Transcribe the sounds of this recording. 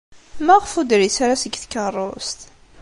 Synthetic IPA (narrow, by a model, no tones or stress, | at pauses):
mæʁfud̪ɾisaɾasəɡθkərˤost̪